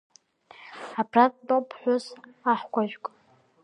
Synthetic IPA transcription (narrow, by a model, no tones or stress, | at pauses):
apʰratʼdʼopʰħʷᶣʊzaħkʷʰaʒᶣkʼ